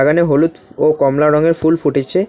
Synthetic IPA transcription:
aɡaneɦolut̪okɔmlaɾɔŋeɾfulfuʈet͡ɕʰe

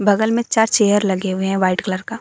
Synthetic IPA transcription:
bɐɡəlmẽt͡ʃaːɾt͡ʃeːjəɾlɐɡeɦʊeɦɛ̃ʋaːɪʈkləɾkaː

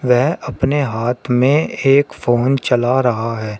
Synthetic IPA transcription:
ʋɛɦɐpneɦaːt̪ʰmẽeːkfoːnt͡ʃɐlaɾɐɦaɦɛː

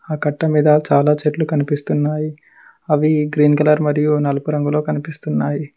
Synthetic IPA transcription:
aːkɐʈːɐmiːd̪ɐt͡ʃaːlaːt͡ʃeʈlukɐnipist̪unːaːji | ɐʋiɡɾiːnkɐlɐɾmɐɾijunɐlɐpuɾɐŋɡulo̞ːkɐnipist̪unːaːji

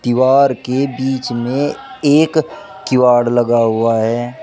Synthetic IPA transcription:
t̪ɪʋaːɾkebiːt͡ʃmẽ | eːk | kɪʋaːɽlɐɡaɦʊaɦɛː

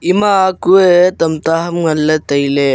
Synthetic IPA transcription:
imakuet̪ɐmt̪aɦɐmŋɐlːet̪ɐjle

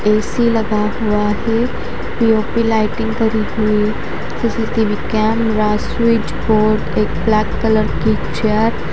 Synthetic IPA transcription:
ɛːsiləɡaɦʊaɦɛ | piːoːpilaːɪʈɪ̃ŋɡkəɾiɦʊi | sisit̪iʋikɛːmɾaːswid͡ʒboːɾɖeːk̚blɛːkkələɾkit͡ʃɛəɾ

